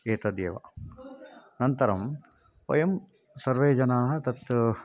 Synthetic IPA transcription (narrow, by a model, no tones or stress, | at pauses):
eːt̪ɐd̪jḛːʋɐ̰ | nɐnt̪ɐɾɐm | pɐ̰jɐm | sɐɾʋeːd͡ʒɐnaːɦɐ̆t̪ɐt̪